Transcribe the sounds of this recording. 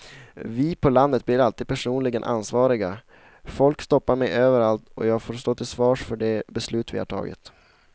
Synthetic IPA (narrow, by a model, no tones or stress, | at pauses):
vɪpʰɔland̪ət̪̚blɪɾalt̪iːd̪̥̚pʰæʂuːnlɪɡənʔa̰nsvɑːɾɪɡa | fɔlkst̪ɔpːaɾmɛjøːvəɾalt̪ɔjɑːɡfoːɾst̪oːt̪ʰɪlsvɑːʂfœɖɛbɛslʉ̟ːt̪vɪ̰ha̰ʈʰɑ̰ːɡɪ̰t̪